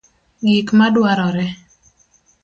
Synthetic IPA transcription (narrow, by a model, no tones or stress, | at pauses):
ɡikmadwaɾɔɾɛ